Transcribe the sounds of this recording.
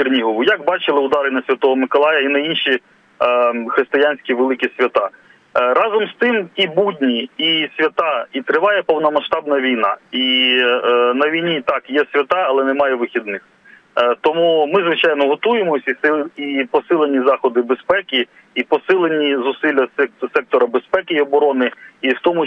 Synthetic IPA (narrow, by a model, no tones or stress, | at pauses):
irnʲiɦɔʋʊjɐɡbɑt͡ʃɪlˠɪʊd̪ɑɾɪnɐsʲʋʲɐt̪ɔɦɔmɪkɔlˠɑjɐinɐjinʃi | xɾɪst̪ɪjanʲsʲkʲiʋelˠɪkʲisʲʋʲɐt̪ɑ | ɾɑzɔmst̪ɪmibudʲnʲiisʲʋʲɐt̪ɑit̪ɾɪʋɑjɛpɔwnɔmɐʃt̪ɑbnɐʋʲijnɑ̰i | nɐʋʲijnʲit̪ɑkjɛsʲʋʲɐt̪ɑɐlˠɛnɛmɑjɛʋɪxʲid̪nɪx | t̪ɔmumɪzʋɪt͡ʃɑjnɔɦɔt̪ujemɔsʲisɪipɔsɪlˠenʲizɑxɔd̪ɪbespɛkʲiː | pɔsɪlˠenʲizʊsɪlʲːɐsɛktsɛk̚t̪ɔɾɐbespɛkɪɔbɔɾɔnɪiwt̪ɔmʊ